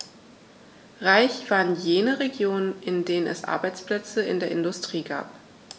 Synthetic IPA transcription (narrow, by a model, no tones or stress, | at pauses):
ʁaɪçv̥aːʁənjeːnəʁeɡjoːnənʔɪndeːnənʔɛ̰sʔa̰ɐbaɪt͡spl̥ɛt͡səɪ̰ndeːɐʔɪndʊstʁ̥iːɡa̰ːp